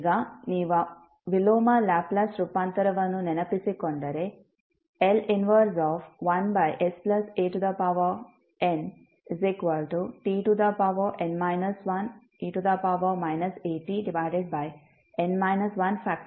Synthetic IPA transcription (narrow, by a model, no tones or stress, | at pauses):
ɡaniːʋɐ | ʋiloːmɐlaːplɐsɾupant̪ɐɾɐʋɐnunɛnɐpisikoɳɖɐɾe | elinʋɐɾsɔːfʋɐnbɐjʔesplɐseːʈud̪ɐpaʋo | en | zekʋɐɾʈuʈiːʈud̪ɐpaʋoːʔenmɐjnɐsʋɐn | iːʈud̪ɐpaʋɐmajnɐseːʈːiɖiʋajɖeɖ̚bɐj | enmɐjnɐsʋɐnpʰaːk̚ʈ